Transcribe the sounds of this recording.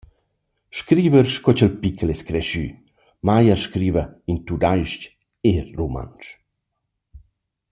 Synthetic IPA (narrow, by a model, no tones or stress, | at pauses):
ʃkɾiːvəɾʃkɔt͡ʃəlpikʰəlɛskɾɛʃy̰ | majəɾʃkɾiːvəint̪ud̪ajʃc | eruma̰nt͡ʃ